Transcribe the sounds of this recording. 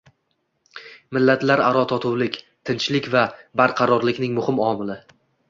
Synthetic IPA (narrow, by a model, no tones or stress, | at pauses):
mɪlːat̪laɾaɾɒt̪ʰɒt̪ʰʊwlɪkʲ | t̪ʰɪnt͡ʃlɪkʲvabaɾqʰɑɾɒɾlɪkʲnɪŋmʊhɪmɒmɪlɪ